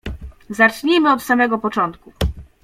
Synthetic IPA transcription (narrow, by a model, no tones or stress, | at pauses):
zat͡ʂɲemɘɔt̪samɛɡɔpɔt͡ʂɔnt̪̚ku